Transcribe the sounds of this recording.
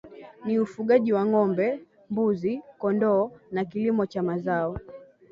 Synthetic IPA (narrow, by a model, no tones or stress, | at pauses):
niufuɠaʄiwaŋɔmbɛ | mbuzikɔndɔːnakilimɔt͡ʃamazaɔ